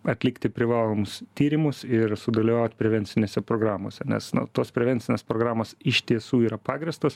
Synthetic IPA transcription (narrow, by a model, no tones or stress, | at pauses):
ɐt̪ʲlʲɪkt̪ʲɪpʲɾʲɪʋɑːlˠoːmʊst̪ʲiːɾʲɪmʊsɪɾsʊd̪ɐlʲɪʋɑːʊt̪ʲpʲɾʲɛʋʲɛnʲt͡ssʲɪnʲeːsʲɛpɾoːɡɾɑːmoːsʲɛnʲɛ̰snʊ̰t̪oːspʲɾʲɛʋʲɛnʲtt͡s̪ʲɪnʲeːspɾoːɡɾɑːmoːsɪʃʲt̪ʲiɛsuːiːɾɐpɑːɡɾʲɪst̪oːs